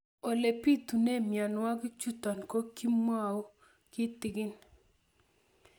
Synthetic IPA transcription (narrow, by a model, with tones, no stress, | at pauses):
o˨le˨pi˦tu˨ne˦˨mja˨nwa˦ɡi˦t͡ʃu˦tɔ˨nko˦ki˦m˦a˨o˦ | kɪ˦tɪ˨ɡɪ˦n